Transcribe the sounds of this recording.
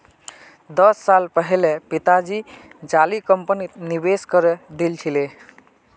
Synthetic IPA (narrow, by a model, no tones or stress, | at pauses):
d̪əsːalpəɦilepit̪ad͡ʒid͡ʒalikəmpənit̪nibeskəɾed̪ilt͡ʃʰile